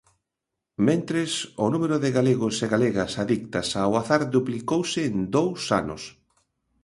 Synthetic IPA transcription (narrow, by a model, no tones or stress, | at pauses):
mẽnt̪ɾɪsʊnumeɾʊðɪɣaleɣʊseɣaleɣɐsaðik̚t̪ɐsawaθaɾðuplikowsɪːnd̪owsa̰nʊ̰s